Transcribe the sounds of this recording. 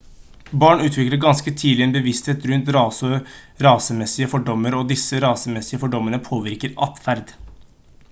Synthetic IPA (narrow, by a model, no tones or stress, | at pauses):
bɑːɳʉːt̪ʰʋɪkləɾɡɑnskət̪ʰiːlɪeːnbəʋɪst̪heːt̪ɾʉnt̪ɾɑːsə | ɾɑːsəmɛsɪəfɔɖɔmːəɾɔd̪ɪsəɾɑːsəmɛsɪəfɔɖɔmːəɳəpʰoːʋɪɾkəɾɑt̪fæɾd̪